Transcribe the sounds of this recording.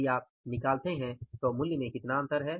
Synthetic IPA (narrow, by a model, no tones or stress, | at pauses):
iaːp̚nɪkaːlt̪eɦɛ̃t̪oːmʊljmẽkɪt̪naə̃nt̪ʰəɾɦɛː